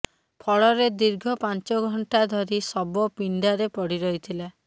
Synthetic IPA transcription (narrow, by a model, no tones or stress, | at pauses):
pʰɔɭɔɾed̪iɾɡʱɔpant͡ʃɔɡʱɔɳʈad̪ʱɔɾisɔbɔpiɳɖaɾepɔɽiɾɔɦit̪ʰila